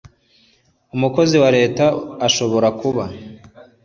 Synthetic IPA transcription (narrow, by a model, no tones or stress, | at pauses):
umuko̞ziwaɾe̞ːtaːʃo̞βo̞ɾakuβa